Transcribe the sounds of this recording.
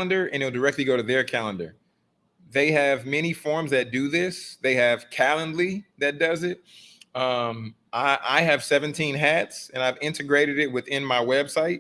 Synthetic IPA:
ə̃ndə˞ʔɨ̃nɨlˠdə˞ɛk̚tˡliɡoʊɾɨðə˞kʰælˠə̃ndə˞ | ðeɪɨvmɛñifɔɹmzðɨt̚d̥ɨðɪsðeɪɨv̥kʰælˠə̃ndˡliðɨt̚d̥ʌzɪt̚ʌ̃m | ʔaɪʔa̰ɪɨv̥sɛvɨ̃ntʰĩnɦætsɨ̃ñaɪvɪ̃ntɨɡɹeɪɾɨɾɪt̚wɨθɪ̃nmaɪwɛb̥saɪt̚

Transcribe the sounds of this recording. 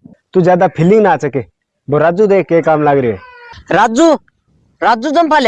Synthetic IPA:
t̪uːd͡ʒjaːd̪aːpʰɪlɪ̃ŋɡnaːt͡sɛke | boːɾaːd͡zuːd̪eːkeːkaːmlaːɡɾɪoːɦɛːɾaːd͡zuː | ɾaːd͡zuːt̪əmpʰaːlj

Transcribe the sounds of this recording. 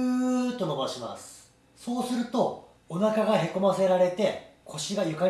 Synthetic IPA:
t̪ːo̞nobaɕima̰sɨ̥ | so̞ːsɨɾɯ̟t̪o̞ | onakaɡaɦe̞ko̞mase̞ɾaɾe̞t̪e̞kʰo̞ɕiɡajɯ̟ka

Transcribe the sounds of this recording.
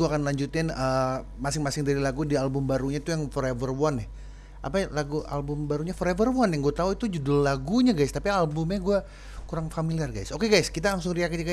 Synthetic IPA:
ɡuakanlaɲd͡ʒut̪ɪnəmasɪŋmasɪŋdaɾilaɡudialbʊmbaɾuɲait̪ujaŋfoɾevərwanɪh | ʔa̰palaɡuʔa̰lbʊmbaɾuɲafoɾevərwɔnjaŋɡuat̪auit̪ud͡ʒudʊllaɡuɲaɡajst̪apialbʊmɲaɡua | kuɾaŋfamiliarɡajsokeɡajskit̪̬alaŋsʊŋriakiaɡa

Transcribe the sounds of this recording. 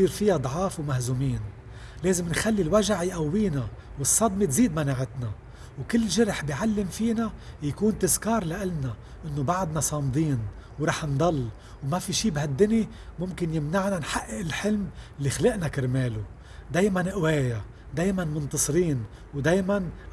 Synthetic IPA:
siːɾfɪjad̪ˤʕɑːfwmahzumiːn | leːzɪmnxalːilwaʒaʕjʔawːiːna | wɨsˤːɑd̪mit̪ziːd̪manaːʕɪt̪na | wkɪlːʒɪɾħbiʕalːɪmfiːnajakuːnt̪ɪzkɑːɾˤlaʔɪlna | ʔɪnːobaʕd̪nasˤɑːmd̪ˤiːn | wɾˤɑːħnd̪ˤɑlː | wmafiʃiːbhad̪ːʊni | mʊmkɪnjɪmnaʕnanħaʔːɪʔɪlħɪlmɪlːixalɪʔnakɪɾmeːlu | d̪eːjmanʔweːja | d̪eːjmanmʊnt̪ɑsˤɾiːnwd̪eːjman

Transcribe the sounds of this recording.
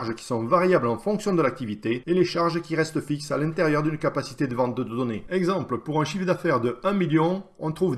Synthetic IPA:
ʁʒəkʲi̥sɔ̃vaʁjablɑ̃fɔ̃ksjɔ̃d̪əlak̚t̪ivit̪eeleʃaʁʒəkʲiʁɛst̪əfiksalɛ̃t̪eʁjœʁd̪ynkapasi̥t̪ed̪əvɑ̃t̪̚d̪əd̪əd̪ɔneɛɡzɑ̃pləpuʁɛ̃ʃifd̪afɛʁd̪əɛ̃miljɔ̃ | ɔ̰̃t̪χuv

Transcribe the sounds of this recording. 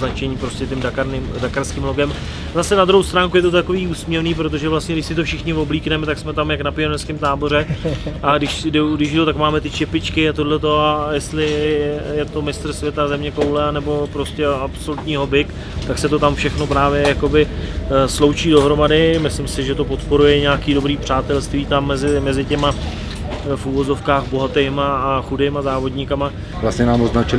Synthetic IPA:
nat͡ʃɛɲiːpɾo̞scɛt̪ɛmdakaɾnɪmdakaɾskiːmlo̞ɡɛm | zasɛnad̪ɾuɦowst̪ɾaːŋkujɛt̪ot̪̬akoviːuːsmɲɛvniːpɾot̪o̞ʒɛvlast̪ɲɛdɪʃsɪt̪o̞fʃɪxɲɪvo̞bliːknɛmɛt̪aksmɛt̪amjaknapɪjɛnnɛskɪmt̪aːbo̞ɾɛʔaɡdɪʃsdɛɡdɪʒdowt̪akmaːmɛt̪ɪt͡ʃɛpɪt͡ʃkɪat̪o̞dlɛt̪o̞ajɛst̪lɪjɛt̪o̞mɪst̪r̩svʲjɛt̪azɛmɲɛko̞wlɛanɛbo̞pɾo̞scɛapsolut̪ɲiːɦo̞bɪk | t̪aksɛt̪o̞t̪amfʃɛxno̞pɾaːvjɛjako̞bɪslo̞wt͡ʃiːdo̞ɦɾo̞madɪmɪslɪmsɪʒɛt̪o̞po̞t̪po̞ɾujɛɲaːkiːdo̞bɾiːpr̝̥aːt̪ɛlst̪viːt̪amːɛzɪmɛzɪcɛma | fuvo̞zo̞fkaːxbo̞ɦat̪ɛjmaːxudeːmazaːvo̞dɲɪkama | vlasɲɛnaːmoznat͡ʃɪl

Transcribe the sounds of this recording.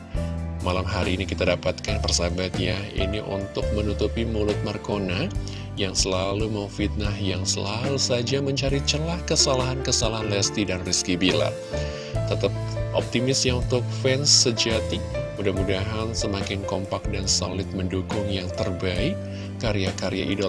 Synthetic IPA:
malamɦaɾiːnikit̪adapat̪̚kanpərsabat̪ja̰ḭniʔṵnt̪ʊk̚mənut̪upimulʊt̪̚markona | jaŋsəlalumawfit̪̚nahjaŋsəlalusad͡ʒaməɲt͡ʃaɾit͡ʃəlahkəsalaɦankəsalaɦanlɛst̪idanriskibila̰ | t̪ət̪əp̚ʔɔ̰p̚t̪imɪsjaunt̪ʊk̚fɛnsəd͡ʒat̪imudahmudaɦansəmakɪnkɔmpak̚danso̰lɪt̪̚məndukʊŋjaŋt̪ərbaɪkː | aɾijakaɾija̰ʔido

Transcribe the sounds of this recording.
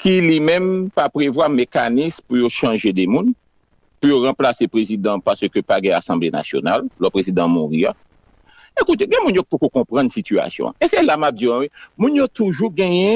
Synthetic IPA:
kilimɛ̃mpapʁevwamekanispujoʃɑ̃ʒed̪ɛmũn | pujoʁãplasepʁezid̪ɑ̃paʁsøkøpaɡɛ̃asɑ̃blena̰sjo̰na̰lːɔpʁezid̪ãmɔ̃ʁia | ekut̪eɡɛ̃mũnjok̚pokokɔ̃pʁɑ̃nsitya̰sjɔ̰̃a̰esɛlamap̚d͡ziɔ̃wimũnjot̪uʒuɡɛ̃jɛ̃

